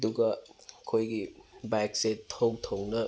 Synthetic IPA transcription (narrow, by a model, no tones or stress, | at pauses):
duɡɐkʰojɡibajkseowtʰownɐ